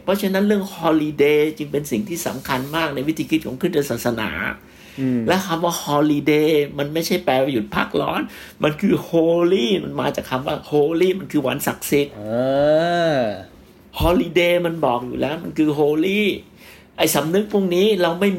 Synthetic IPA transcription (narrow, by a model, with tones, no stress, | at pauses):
pʰɔ˦˥t͡ɕʰe˦˥nːa˦˥nɾɯ˥˩əŋhɔː˧liː˧deː˧t͡ɕɯ˧ŋpe˧nsi˨˩ŋt̪ʰiː˥˩sa̰˩˦mkʰa˧nmaː˥˩k̚na˧jwi˦˥t̪ʰiː˧kʰi˦t̪̚kʰɔː˩˦ŋkʰɯː˥˩t͡ɕa˧t̚saː˨˩sa˧na̰ː˩˦ | lɛ˦˥kʰa˧mwaː˥˩hɔː˧liː˧deː˧ma˧nma˥˩jt͡ɕʰa˥˩jpɛː˧wa˧˩ju˨˩t̪̚pʰa̰ː˥˩k̚lɔ̰ː˦˥n | mʔa˧nkʰɯː˧hoː˧liː˥˩ma˧nmaː˧t͡ɕaː˨˩k̚ʰa˧mwa̰ː˥˩hoː˧liː˥˩ma˧nkʰɯː˧wa̰˧˥nsa˨˩k̚si˨˩t̪̚ː | hɔː˧li˧deː˧ma˧nbɔː˨˩k̚jṵː˨˩lɛː˦˥wma˧nkʰɯː˧ɦoː˧liː˥˩ | ʔa˧˩jsa˨˩˦mnɯ˦˥k̚pʰu˥˩əŋniː˦˥ɾa˧wma˥˩j